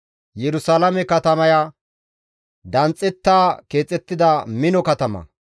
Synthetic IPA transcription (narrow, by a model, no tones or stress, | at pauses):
jɛɾʊsaːlɐmɛkɐt̪ɐmɐja | d̪ɐnt͡sʼːɛt̪ːaːke̞ːt͡sʼːɛt̪ːɪd̪ɐmɪnɔkɐt̪ɐmɐ̰